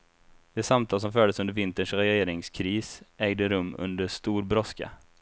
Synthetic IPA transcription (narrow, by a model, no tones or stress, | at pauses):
d̪ɛsamt̪ʰɑːlsɔmfœːɖ̪əsɵnd̪ɾvɪnt̪əɳʂɾɛjjeːɾɪŋskʰɾiːsɛːɡd̪əɾɵmːɵ̰nd̪əʂt̪uːɾbɾɔska̰